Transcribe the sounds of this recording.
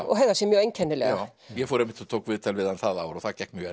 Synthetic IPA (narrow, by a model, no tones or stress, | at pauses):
ɔ̰ɦɛɣðasɛmjœːejɲcʰɛnːɪlɛ̰ɣaɾjɛfɔɾɛmːɪ̥ht̪ʰat̪ʰoːwkvɪðt̪ʰɛlvɪðanθaða̰ːwɾɔθaðcɛk̪mjʏɛ